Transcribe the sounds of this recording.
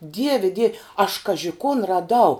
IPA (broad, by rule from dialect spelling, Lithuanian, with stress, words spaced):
ˈdʲiɛʋʲɛ dʲiɛw ɐʃ ˈkɑːʒʲɪ kʊn rɐˈdɐʊ